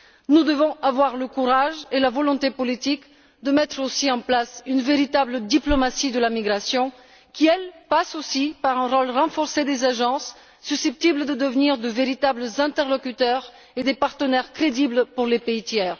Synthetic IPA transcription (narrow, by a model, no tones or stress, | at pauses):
nud̪əvɔ̃ʔavwaʁləkuʁaʒelavɔlɔ̃t̪epɔlit̪ik | d̪əmɛt̪χosiɑ̃plasynveʁit̪abləd̪iplɔmasid̪əlamiɡʁasjɔ̃ | kʲiɛlpasosipaʁɛ̃ʁɔlʁɑ̃fɔʁsed̪ezaʒɑ̃sː | ysɛp̚t̪ibləd̪əd̪əvniʁd̪əveʁit̪abləzɛ̃t̪ɛʁlɔkʲyt̪œʁ | ed̪epaʁt̪ənɛʁkχed̪iblpuʁlepeit̪jɛːʁ